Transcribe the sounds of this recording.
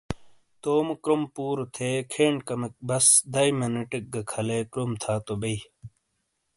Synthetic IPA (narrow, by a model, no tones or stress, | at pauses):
t̪oːmkɾompuːɾot̪ʰekʰeːɳɖkɐmek̚bɐsd̪ɐimɐnɐʈik̚ɡɐkʰɐlekɾomt̪ʰaːt̪obɐi